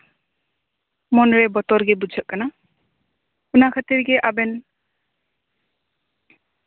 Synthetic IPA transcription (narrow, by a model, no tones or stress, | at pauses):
mɔnɾebɔt̪ɔɾɡebud͡ʒʱɔʔkːana | unakʰat̪iɾɡeʔabɛn